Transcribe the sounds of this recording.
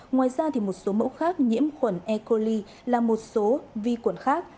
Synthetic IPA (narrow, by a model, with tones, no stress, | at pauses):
ŋwaː˨˩jzaː˧t̪ʰi˨˩mo˨˩t̚so˨˦mə̰˧˥wxaː˦˥k̚ɲḭ˧˥əmxwə˧˩nʔɛ˧ko˧li˧ | laː˨˩mo˨˩t̚so˨˦vi˧kwə˧˩nxaː˦˥k̚